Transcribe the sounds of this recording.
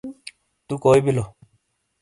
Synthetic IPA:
t̪ukoːibilo

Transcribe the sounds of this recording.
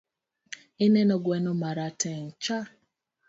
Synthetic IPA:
ɪnɛnɔɡwɛnɔmaɾatɛŋt͡ʃa

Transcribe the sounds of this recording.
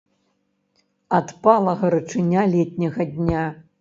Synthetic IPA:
at̪palˠɐɣɐɾɨt͡ʂɨnʲalʲɛt̪ʲnʲɐɣɐdʲnʲa

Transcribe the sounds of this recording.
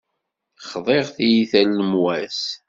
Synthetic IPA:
χðˤeʁθijiθælːəmwæs

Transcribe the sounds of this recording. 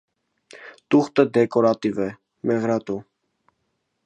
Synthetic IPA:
t̪uχt̪əd̪ɛkɔɾɑt̪ivɛ | mɛʁɾɑt̪u

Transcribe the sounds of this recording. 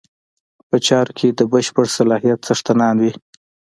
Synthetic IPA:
pət͡ʃɑɾokʰed̪əbəʃpəɽsalɑɦijat̪t͡saʂt̪anɑnwi

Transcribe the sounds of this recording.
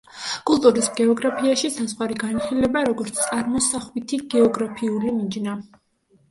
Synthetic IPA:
kʼulˠt̪ʼuɾisɡɛɔɡɾapʰiaʃisasχwaɾiɡaniχilɛbaɾɔɡɔɾt̪sʰt̪ʼaɾmɔsaχwit̪ʰiɡɛɔɡɾapʰiulimid͡ʒna

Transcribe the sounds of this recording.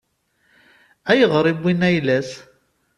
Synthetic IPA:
æjəʁɾˤibinæjlæs

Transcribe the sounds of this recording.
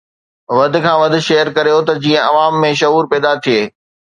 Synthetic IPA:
ʋɐd̪ʱɪ̆kʰãːʋɐd̪ʱɪ̆ʃeːəɾkɐɾijot̪ɐd͡ʑiːə̃ʔɐʋaːmːẽʃɐɦuːɾpɛːd̪at̪ʰijeː

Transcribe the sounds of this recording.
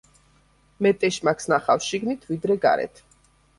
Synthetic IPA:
mɛt̪ʼɛʃmakʰsnaχafʃiɡnit̪ʰvid̪ɾɛɡa̰ɾɛ̰t̪ʰ

